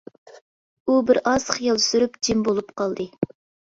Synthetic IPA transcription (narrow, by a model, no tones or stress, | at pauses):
ubɪɾɑzχjɑlˠsyɾypd͡ʒimbolˠupqɑlˠd̪ɨ